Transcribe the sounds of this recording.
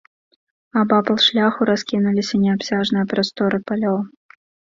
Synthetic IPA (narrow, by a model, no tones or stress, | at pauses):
abapɐlˠʂlʲaxuɾaskʲinulʲisʲɐnʲɛapsʲaʐnɨjɐpɾast̪ɔɾɨpalʲɔw